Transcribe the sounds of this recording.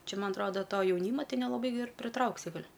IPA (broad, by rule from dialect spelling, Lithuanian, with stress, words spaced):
ˈt͡ʃʲɛ ˈmɐn ɐtˈroːdɐ ˈtoː jɛʊˈnʲiːmɐ ˈtʲɛɪ nʲɛlˠɐˈbɐɪ ɪr pʲrʲɪˈtrɐʊksʲɪ ˈɡɐlʲ